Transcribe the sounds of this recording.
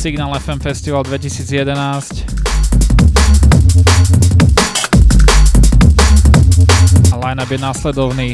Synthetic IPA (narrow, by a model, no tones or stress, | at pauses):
siɡnaːlɛfɛmfɛst̪iʋald̪ʋɛcisiːd͡zjɛd̪ɛnaːsc | alajnabjɛnaslɛd̪ɔʊniː